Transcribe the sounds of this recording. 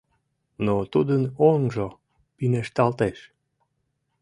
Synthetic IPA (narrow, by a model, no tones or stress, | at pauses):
not̪ud̪ənonʒo | pineʃt̪ɑlt̪eʃ